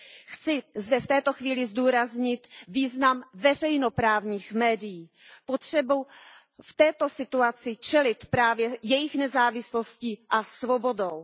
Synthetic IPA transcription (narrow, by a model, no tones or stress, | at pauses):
xt͡sɪzdɛft̪ɛːt̪o̞xviːlɪzduːɾazɲɪt̪viːznamvɛr̝ɛjnopɾaːvɲiːxmɛːdɪjiː | pot̪r̝̥ɛbuw | ft̪ɛːt̪osɪt̪uat͡sɪt͡ʃɛlɪt̪pɾaːvjɛjɛjɪxnɛzaːvɪslosciːʔasvo̞bo̞dow